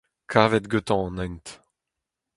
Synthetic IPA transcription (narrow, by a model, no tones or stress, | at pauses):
kʰaːvɛt̪ɡøt̪ɑ̃nɛ̃nt̪